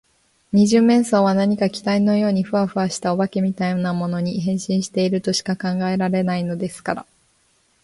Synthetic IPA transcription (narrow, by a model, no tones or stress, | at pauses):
ɲ̟iʑɨːmːẽ̞ɰ̃so̞ːβanaɲ̟ikakʲi̥t̪aino̞jo̞ːɲ̟iɸɯ̟aɸɯ̟aɕi̥t̪ao̞bake̞mʲit̪ainamo̞no̞ɲ̟iɦẽ̞ɰ̃ɕĩɰ̃ɕi̥t̪e̞iɾɯ̟t̪o̞ɕi̥kakãŋɡae̞ɾaɾe̞naino̞d̪e̞sɨ̥kaɾa̰